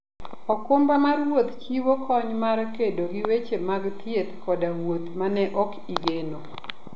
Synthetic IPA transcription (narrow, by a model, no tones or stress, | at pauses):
ɔkombamarwot̪kiwokɔɲmaɾkedoɡɪwet͡ʃemaɡt̪jet̪kɔdawot̪manɛʔɔkiɡeno